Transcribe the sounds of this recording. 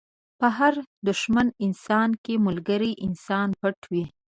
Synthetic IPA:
pəɦaɾd̪ʊʃmanɪnsɑnkemʊlɡəɾiʔɪnsɑnpaʈwi

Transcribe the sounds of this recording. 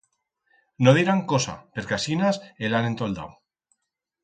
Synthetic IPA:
noðiɾaŋkosa̰pe̞ɾkasinaselane̞nt̪old̪a̰w

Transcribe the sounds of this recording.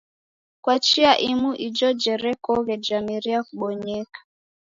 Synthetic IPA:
kwat͡ʃiaʔimuʔid͡ʒɔd͡ʒɛɾɛkɔɣɛd͡ʒamiɾiakuɓɔɲɛkḁ

